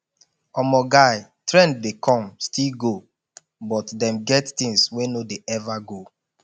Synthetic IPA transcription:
ɔmɔɡaɪ | tɹɛ̃nd̚dekʰɔ̃mstʰilɡo | bɔtdɛ̃mɡɛttĩŋswenodeʔɛvaɡo

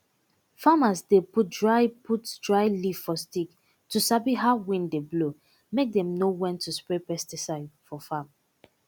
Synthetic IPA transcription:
famasdeput̚dɹaɪpʰutdɹaɪlifɔstik | tusabiɦaʊwĩndeblo | mek̚dɛ̃mnowɛ̃ntʰuspɹepɛstisaɪdfɔfam

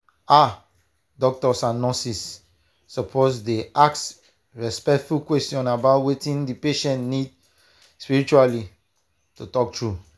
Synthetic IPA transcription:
a | dɔk̚tɔsãnɔ̃sisː | ɔpʰozdeʔaks | ɹɛspɛk̚tfulkwɛstjɔ̃nabaʊtwetĩndipeʃɛ̃ntnid̚ | spiɹit͡ʃuali | tutɔk̚tɹu

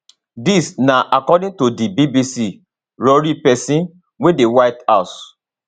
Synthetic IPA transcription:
disnaʔakɔdĩntodibibisi | ɹɔɹipɛsĩn | wedewaɪtaʊs

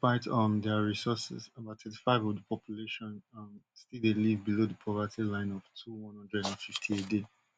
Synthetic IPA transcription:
paɪtʌ̃mdɛaɹisɔsɛ̰zabatʰɛ̃ti̥faɪvɔvdəpʰɔpʰjuleʃɔ̃nʌmstilˠdelivbilodəpʰɔvətʰilãɪ̃nɔv̥tʰuwɔ̃nhʌ̃ndɹɛdɛ̃fiftʰiede

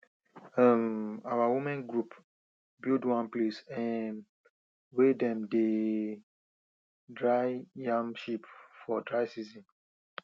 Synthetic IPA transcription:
amawawumɛ̃nɡɹup | bildwãnplesɛ̃n | wedɛ̃mde | dɹajjãmʃipfɔdɹajsizĩn

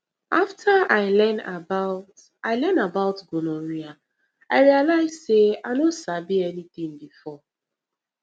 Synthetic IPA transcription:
aftʰaaɪlɛ̃na̰baʊt | aɪlɛnabaʊtɡonoɹia | aɪɹialaɪz̥seaɪnosabiɛnit̪ĩŋbifɔ

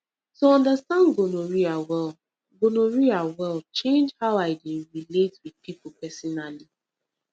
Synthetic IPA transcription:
toɔ̃ndəstãnɡonoɹiawɛlˠ | ɡonoɹiawɛlˠt͡ʃẽnd͡ʒhaʊaɪdĩnɹiletwid̚pipʊpɛsɔnali

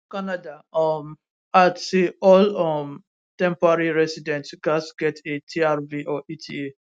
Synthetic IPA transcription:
kanadaɔm | atiɔlɔm | tɛ̃mpɔɹaɹiɹɛsidɛ̃ntɡasɡɛtetʰiaɹviʔɔʔitʰḭe

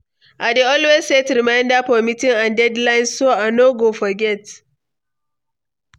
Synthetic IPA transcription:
ʔadeɔlwesːetɾimajndapɔmitɪŋãndɛdlajnsoanoɡofɔɡɛt

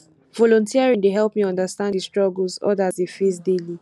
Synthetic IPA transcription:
vɔlɔ̃ntʰiaɹĩndeɦɛlˠpmiɔ̃ndəstãndistɹ̥ɔɡl̩zɔ̰dsdefes̬deli

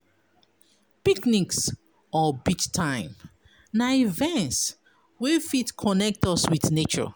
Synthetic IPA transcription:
pikniks | ɔbit͡ʃtʰãɪ̃m | naivɛ̃nts | wifitkʰɔnɛk̚tɔswiθnet͡ʃɔ̰

